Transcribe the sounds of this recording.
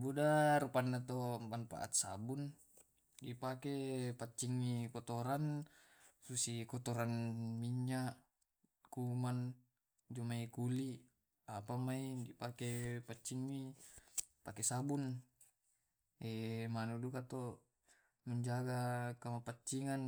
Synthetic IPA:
budaɾupanːat̪ompanpa̰ʔa̰t̪̚sa̰bun | dipakepat͡ʃːiŋːikɔt̪ɔɾan | susikɔt̪ɔɾanmiɲa | kuman | d͡ʒumaikuli | apamaidipakepat͡ʃːiŋːi | pakesabun | ɛmanudukat̪ɔ | məɲd͡ʒaɡakamapat͡ʃːiŋan

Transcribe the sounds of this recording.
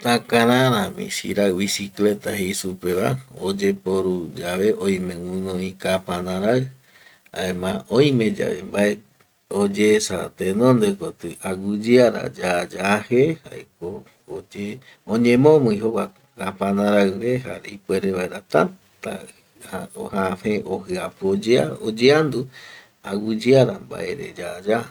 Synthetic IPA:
t̪ãkãɾãɾãmḭ̃sḭɾaβisiklet̪aɦeisupeβa̰od͡ʒepoɾud͡ʒaβe̞ʔõj̃mẽwũnõĩkapãnãɾaɨ | a̰ẽmãõj̃mẽ̞d͡ʒa̰βḛmbae | od͡ʒesat̪enõnd̪ekot̪ɨaɡud͡ʒiaɾa̰d͡ʒad͡ʒahehaḛko | od͡ʒe | õɲẽmõmũĩɦowakokapãnãɾaɨβeɦa̰ɾeipʷeɾeβaeɾat̪a | t̪a | haohaheʔohɨapɨod͡ʒeaod͡ʒeand̪u | aɡud͡ʒiaɾamba̰ʔeɾḛd͡ʒad͡ʒa

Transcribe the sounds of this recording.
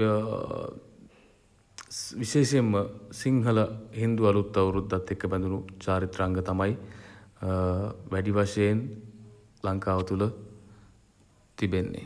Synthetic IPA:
ʋiʃeːʃemːəsiŋɦələɦind̪ualut̪ːɐwɾut̪ːat̪ːekːəbɛnd̪unut͡ʃaːɾit̪ɾaŋɡət̪amaj | ʋæɖiʋaʂejen | laŋkaːʋət̪ulə | t̪ibenːḛ

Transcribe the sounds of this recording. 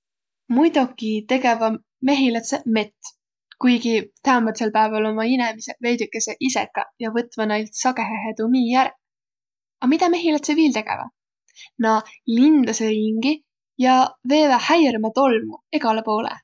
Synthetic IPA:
mujd̪̥ukːit̪e̞ɡe̞vɑ | me̞ɦilɑt̪seme̞t̪ːˑ | kujɡit̪æumɑt̪selpæevɑlo̞mɑinemiseve̞jd̪ykːˑe̞seʔise̞̰kːɑ̰jɑvɤt̪ˑvɑnejlt̪sɑɡeɦeɦet̪umiːjæɾ | ɑmit̪ɑme̞ɦilɑt̪seviːlt̪e̞ɡ̥ḛvɑ̰ | nɑlind̪̥ɑseɾiŋɡ̥i | jɑve̞ːvɑhæjɾmɑt̪o̞lmue̞ɡ̥ɑlepo̞ːlḛ

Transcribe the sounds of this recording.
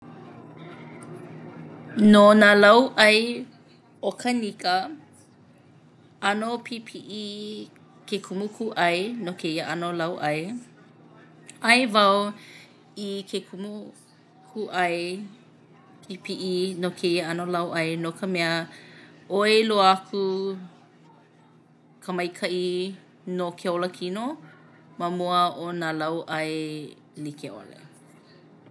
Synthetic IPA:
nonalɐwʔɐj | okʰənikə | ɐnopʰipʰiʔi | kekʰumukʰuʔɐjnokʰeiəʔɐnolɐwʔɐj | ɐjvɐw | ikʰekʰumu | kuʔɐe | ipiʔinokʰeiəɐnolɐwʔɐenokʰəmɛə | oeloɐkʰu | kʰəmɐjkʰɐʔi | nokʰeoləkʰino | mɐmuəʔonalɐwʔɐe | likeʔo̰lḛ

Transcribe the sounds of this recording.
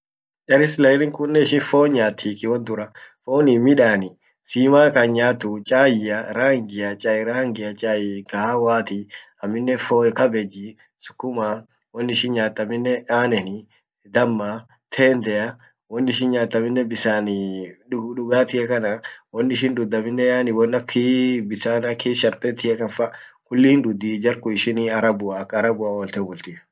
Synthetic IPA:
ᶑɐɾɪslɐɪnɪŋkʊnːɛɪʃɪnfoːɲaːt̪ʰːiːkɪwɐnd̪ʊɾɐfoːnɪmɪᶑaːnɪ | siːmaːkaɲaːt̪ːʊt͡ʃʼaːjɪɐɾaːŋɡɪjɐt͡ʃʼaːɪɾaːŋɡɪɐt͡ʃʼaːjɪkahawaːt̪i | ɐmːɪnːɛfoːkɐbɛd͡ʒi | sʊ̥kːʊmaː | wɔnːɪʃɪnɲaːt̪ːɐmɪnːɛʔaːnɛnɪ | d̪ɐmːa | t̪ʰeːnd̪ɛjɐ | wɔnːɪʃɪnɲaːt̪ːɐmɪnːɛbɪsaːnɪʊᶑʊɡaːt̪ɪhɛkɐnɐwɔnːɪʃ̬ɪnd̪ʊd̪ːɐmɪnːɛjaːnɪwɔnːɐkʰːibɪsaːnɐkʰːiʃɐɾpʼɛt̪ɪhɛkɐnfɐkʊlːɪɪnd̪ʊd̪ːid͡ʒɐɾkʊɪʃɪniɐɾɐbʊakɐɾɐbʊawɔlt̪ebɔlt̪ɪ

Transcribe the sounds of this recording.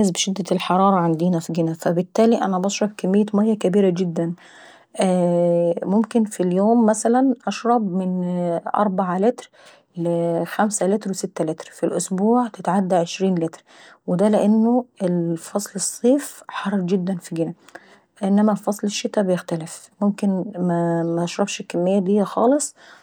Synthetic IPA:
æsbʃɪd̪ːælħɑɾˤɑːɾˤɑʕand̪iːnæfiɡɪnæfæbɪt̪ːæːliʔæ̰næbɑʃɾˤɑbkæmːejːæmæjːækæbiːɾæɡɪd̪ːæn | ʔæːmomkɪnfiljoːmːæsælænʔɑʃɾˤɑbmɪnʔɑ̰ɾˤbaʕalɪt̪ɾ | lɪxæmsælɪt̪ɾwɪsɪt̪ːælɪt̪ɾfilʔʊsbuːʕt̪ɪt̪ʕad̪ːæʕeʃɾiːnlɪt̪ɾ | wɪd̪ælɪʔanːoelfɑsˤlɨsˤːiːfħɑrˤːd͡ʒɪd̪ːænfiɡɪnæ | ʔɪnːæmæfɑsˤlɪʃːɪt̪ːæbɪjɪxt̪ælɪfmʊmkɪnmæmæʔɑʃɾˤɑbʃɪkːæmːɪjːæd̪ijːæxɑːlɨsˤ

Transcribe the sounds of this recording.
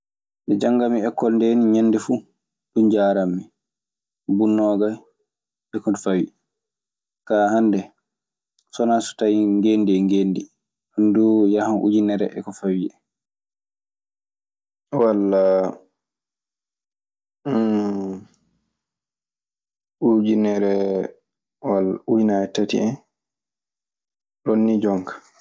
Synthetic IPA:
mʔɛd͡ʒaŋɡamiɛkːɔlndeniɲɛnːdɛfu | ɗund͡ʒaɾamːi | bunːɔːɡaj | ɛkɔnfawḭɛ | kaːhandɛ | sɔnasu̥tajŋɡendɛŋɡendi | andujahanʔṵd͡ʒinɛɾɛ̰ʔɛ̰kɔfawiɛ | walːa | ud͡ʒinɛɾɛ | walːaujnaɛtatḭɛn | ɗonːid͡ʒɔŋkḁ

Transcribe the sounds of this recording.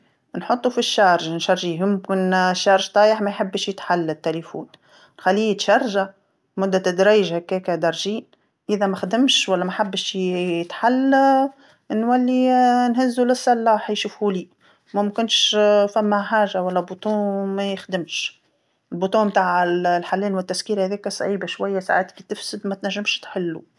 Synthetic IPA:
nħot̪ˤːufiʃːɑːɾʒnʃɑɾˤʒiːjʊmkɪnʃːɑːɾʒt̪ˤɑːjəħmæjħabːʃjɪt̪ħalːæt̪ːælifṵːn | nxalːiːjt̪ʃɑɾˤʒa | mʊd̪ːæt̪d̪ɾɑːjɪʒhækːɛːkæd̪ɑɾˤʒiːn | ʔɪðæmæxd̪ɪmʃwælːæmæħabːʃjɪt̪ħalː | ʔnːwælːinhɪzːulɪsˤːɑlːɑːħjʃuːfhuliː | mæmkɪnʃfæmːæħaːʒawælːæbut̪ˤuːmæjɪxd̪ɪmʃ | ɪlbut̪ˤuːnmt̪aːʕɪllħalːɛːnwɪt̪ːæskiːɾhæðɛːkæsˤʕiːbaʃwæjːæsa̰ʕat̪kit̪ɪfsɪd̪mæt̪næʒːɪmʃt̪ħɪlːṵ

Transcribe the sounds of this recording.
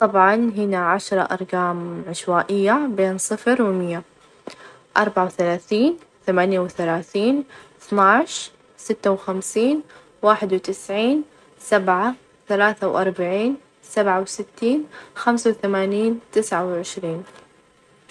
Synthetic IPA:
t̪ˤɑbʕɑnɦɪnaʕaʃɾˤɑʔɑ̰ɾˤɡaːmʕɪʃwaːʔɪjːabeːnsˤɨfɾwɪmɪjːa | ʔɑɾˤbaʕawθalaːθiːn | θamaːnjawθalaːθiːnɪθnaʕɪʃ | sɪt̪ːawxamsiːn | waːħɪd̪wt̪ɪsʕiːn | sabʕa | θalaːθawʔɑɾˤbaʕiːn | sabʕawsɪt̪ːiːnxamsawθamaːniːnt̪ɪsʕawʕɪʃɾiːn

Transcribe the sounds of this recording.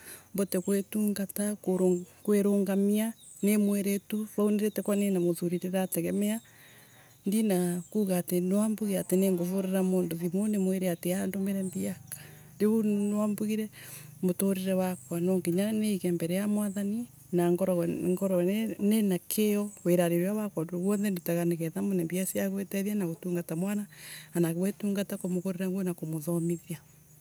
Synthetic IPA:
mbɔtɛkwetuːŋɡatakoɾokweɾoːŋɡamia | nemweɾetuɾauneɾetɛkwanenamoðuɾiɾeɾatɛɣɛmɛa | ndinakuːɣaːtenwambuɣiateneːŋɡovoɾeɾamoːndoðimonemweɾeateandomɛɾɛnbiakḁ | deβunwambuɣiɾɛmotoɾeɾɛwakwanɔŋkiɲaneikɛmbɛɾɛjamwaðani | naŋɡɔɾɔŋɡɔɾɔnenakʰeɔweɾaɾeɾeawakwadooɣwɔnðɛndutaɣaneɣɛðamonɛmbiasiaɣwetɛðianaɣotuːŋɡatamwanaanaɣwetuːŋɡatakomoɣoɾeɾaŋɡwenakomoðɔmiðia

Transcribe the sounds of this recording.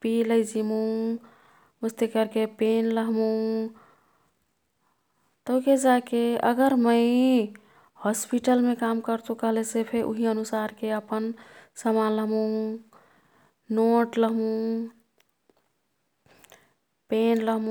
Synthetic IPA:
piləjd͡ʒimũ | ust̪ekəɾkepenləɦmũ | t̪əked͡ʒakeə̰ɡəɾməɪ | hɔspiʈəlmekamkəɾt̪ũkəɦlesepʰeɾʔṵɦiənusaɾkeəpənsəmaləɦmũ | noʈləɦmũ | penləɦmũ

